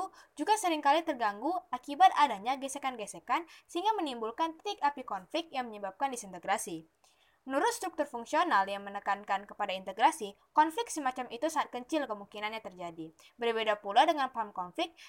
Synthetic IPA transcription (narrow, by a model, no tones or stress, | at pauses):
d͡ʒuɡasəɾɪŋkalit̪ərɡaŋɡuakibat̪adaɲaɡɛsekanɡɛsekansəɦiŋɡamənimbulkant̪ɪkapikɔnflɪk̚jaŋməɲəbap̚kandisint̪əɡɾasi | mənuɾʊt̪̚st̪ɾuk̚t̪ʊrfuŋksionaljaŋmənəkankankəpadaint̪əɡɾasi | kɔnflɪk̚səmat͡ʃamit̪usaat̪̚kəɲt͡ʃɪlkəmuŋkinanɲat̪ərd͡ʒadi | bərbedapuladəŋanpamkɔnflɪk̚